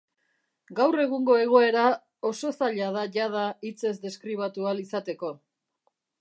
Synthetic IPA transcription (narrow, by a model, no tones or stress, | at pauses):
ɡawre̞ɣ̞uŋɡo̞e̞ɣ̞o̞e̞ɾa | o̞so̞saʎað̞aʝað̞ait͡se̞zd̪e̞skɾiβ̞at̪ualisat̪e̞ko̞